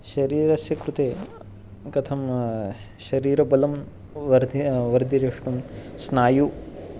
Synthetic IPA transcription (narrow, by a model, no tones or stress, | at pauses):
ʃɐɾiːɾɐsjɐkɾut̪eː | kɐt̪ʰɐm | ʃɐɾiːɾɐbɐlɐm | ʋɐɾd̪ʋɐɾd̪ʱiɾɐʂɳumsnaːju